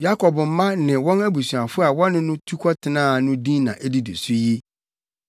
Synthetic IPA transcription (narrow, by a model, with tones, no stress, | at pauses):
ja˦kʰɔ˨bm̩˨˦mã˦nɪ̃˨wɔ̃˦næ˦bu˨sɥa˨fʊ˦a˨wɔ˦nʊ̃˦nʊ̃˦tʰu˦kʰɔ˦tʰɪ˨nãː˦˨nʊ̃˦dĩ˦nã˨ʔæ˦di˦dḛ˨su˦ji˦